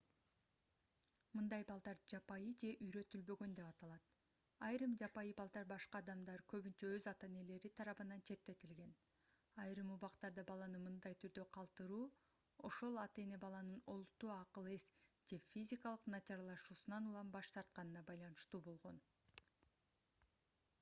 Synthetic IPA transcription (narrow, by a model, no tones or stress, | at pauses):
mɯnd̪ɑjbɑlˠd̪ɑɾd͡ʒɑpɑjɯd͡ʒe̞ʔyjɾø̞t̪ylbø̞ɡønd̪e̞pɑt̪ɑlˠɑt̪ | ɑjɾɯmd͡ʒɑpɑjɯbɑlˠd̪ɑɾbɑʃqɑːd̪ɑmd̪ɑɾkø̞βynt͡ʃøøzɑt̪e̞ne̞le̞ɾit̪ʰɑɾɑβɯnɑnt͡ʃʰe̞t̪ːe̞t̪ilɡe̞n | ɑjɾɯmuβɑqt̪ɑɾd̪ɑbɑlˠɑnɯmɯnd̪ɑjt̪ʰyɾd̪ø̞qʰɑlˠt̪ɯɾuː | o̞ʃo̞lˠɑt̪e̞ne̞bɑlˠɑnɯno̞lˠut̪ːuɑqɯlˠe̞s | d͡ʒe̞fʲizʲikɑlˠɯqnɑt͡ʃɑɾɑlˠɑʃuːsunɑnulˠɑmbɑʃt̪ɑɾt̪̚qɑnɯnɑbɑjlˠɑnɯʃt̪uːbo̞lˠʁo̞n